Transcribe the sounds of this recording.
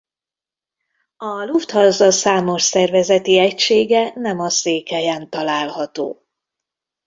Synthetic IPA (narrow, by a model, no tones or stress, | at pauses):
ɒluft̪hɒzɒsaːmo̞ʃsɛrvɛzɛt̪iɛcʃeːɡɛnɛmɒseːkhɛjɛnt̪ɒlaːlhɒt̪o̰ː